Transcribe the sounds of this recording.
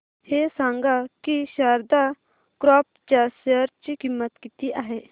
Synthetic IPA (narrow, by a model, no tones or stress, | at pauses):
heːsãːŋɡakiʃaːɾd̪a | kɾɔːp̚t͡ʃaːsəɾt͡ʃkimːət̪kit̪iʔaːɦeː